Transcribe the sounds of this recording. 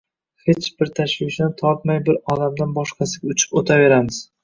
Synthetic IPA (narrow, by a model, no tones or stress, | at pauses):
het͡ʃbɪɾt̪ʰaʃvɪt͡ʃnɪt̪ʰɒp̚majbɪɾɒlamd̪anbɒʃqʰɑsɪɡʲʊt͡ʃʰɪ̥pot̪ʰave̞ɾamɪz̥